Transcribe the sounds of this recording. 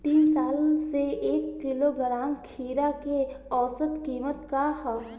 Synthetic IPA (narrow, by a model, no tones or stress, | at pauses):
t̪iːnsaːlseeːkːɪloɡɾaːmkʰiːɾakeɔːsət̪kiːmət̪kahɔ